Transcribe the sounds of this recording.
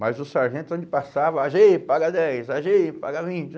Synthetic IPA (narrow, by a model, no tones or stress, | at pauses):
majzʊsaɾʒẽnt̪ʊõd͡ʒɪpasavɐaʒipaɡɐd̪ɛjsaʒipa̰ɡɐvĩt͡ʃɪ